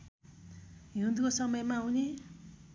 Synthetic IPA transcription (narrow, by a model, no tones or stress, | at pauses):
ɦiunt̪ʰukosʌmʌjmaawne